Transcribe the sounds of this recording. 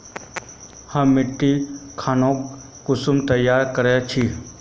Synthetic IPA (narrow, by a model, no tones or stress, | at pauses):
hə̃mɪʈːikʰaːnõːkː | ʊsumt̪ɐjːaːɾkəɾet͡ʃʰi